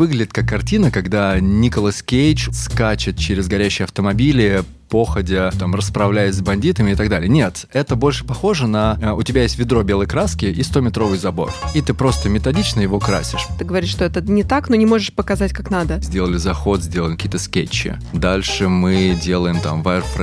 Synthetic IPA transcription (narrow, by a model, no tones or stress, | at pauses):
vɨɡlʲɪdʲɪt̪kakːɐrtʲinəkɐɡd̪anʲikəlˠəskʲejt͡ɕskat͡ɕɪt̪̚t͡ɕeɾʲɪzɡɐɾʲæɕːɪjɐft̪əmɐbʲilʲɪ | po̞xədʲɪt̪amrəspɾɐvlʲæjɪsʲzbɐnʲdʲit̪əmʲɪɪt̪ɐɡd̪alʲɪjənʲet̪ | ɛt̪əbo̞lʲʂɨ̥pɐxo̞ʐənəʊtʲɪbʲajesʲtʲvʲɪd̪ɾo̞bʲe̞lˠəjkɾaskʲɪʔist̪o̞mʲɪt̪ɾo̞vɨjzɐbo̞̰rit̪ɨpɾo̞st̪əmʲɪt̪ɐdʲit͡ɕnəjɪvo̞kɾa̰sʲɪʂt̪ɨɡəvɐɾiʂt̪oɛt̪ənʲɪt̪aknonʲɪmo̞ʐɨʂpəkɐzatʲkaknad̪əzʲdʲelˠəlʲɪzɐxo̞t̪zʲdʲelˠəlʲɪkɐkʲiːət̪əskʲet͡ɕːɪ̰ | d̪alʲʂɨmɨdʲe̞lˠəjɪmt̪a̰mvarpɾ